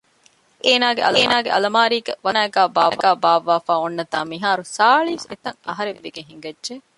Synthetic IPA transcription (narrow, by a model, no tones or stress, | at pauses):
ʔeːnaːɡeʔɐ̰lːnaːɡeʔɐ̰lɐmaːɾiːɡɐʋɐnæːɡæːbaːɡæːbaːʋaːfaːonːɐt̪aːmiɦaːɾusaːɭisḛt̪ɐŋɐ̰ɦɐɾeʋːeɡeɦiŋɡɐdʒe